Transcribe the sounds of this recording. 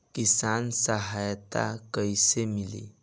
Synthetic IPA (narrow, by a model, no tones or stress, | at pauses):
kisansəɦajt̪a̰kəjsemilḭ